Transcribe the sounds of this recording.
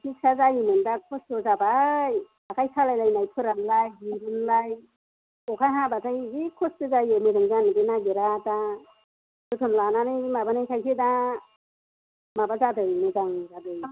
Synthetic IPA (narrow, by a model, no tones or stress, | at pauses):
kʰik̚sazajimɯndakʰɔstɯzabaj | akʰajsʰalajlajnajpʰɯɾamlajɦiɾɯnlaj | ɔkʰajɦabatʰajikʰɔstɯzajemiɾɯŋzanɯdinaɡeɾata | bɯtʰɯmlananɯjmabanɯjkʰajseda | mabazadɯjnɯzaŋzadɯj